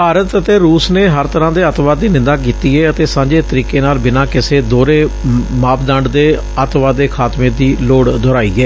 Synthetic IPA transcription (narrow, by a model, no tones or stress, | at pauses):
paːɾət̪ət̪eːɾuːsneːɦəɾt̪əɾãːd̪eːət̪ʋaːd̪iːnɪ̃nd̪aːk̬iːt̪iːɛːət̪eːsãːɲd͡ʒeːt̪əɾiːkeːnaːlbɪnãːkɪseːd̪oːɾeːmaːpd̪ə̃ɳɖd̪eː | ət̪ʋaːd̪eːkʰaːt̪mẽːd̪iːloːɽd̪ɔːɾaːḭːɛː